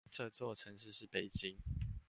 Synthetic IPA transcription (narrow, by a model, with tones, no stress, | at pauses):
ʈ͡ʂə˥˧t͡swɔ˥˨ʈ͡ʂʰə˧˦ŋʂɻ̩˥˧ʂɻ̩˥˩pe˨˩ɪt͡ɕi˦ŋ